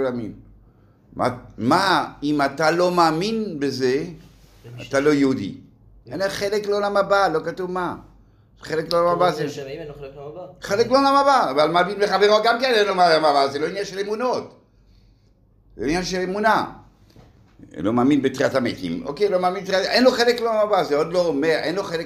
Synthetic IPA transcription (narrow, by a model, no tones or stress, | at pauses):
lamim | ma̰maimat̪alo̞maːminbeze | a̰t̪alo̞jeud̪ḭ | enaχelekleolamabalo̞kat̪uvma | χelekleolamabaze | χelekleolamabaːvalmaːminleχaveʁoɡamkenenlomalamabazeloinjanʃelemunot | zeinjanʃelemuna | lomaːminbet̪ʁiatamḛt̪ḭmo̰kejlo̞maːminteʔenloχelekleolamabazeod̪loːme̞ʁʔenloχelek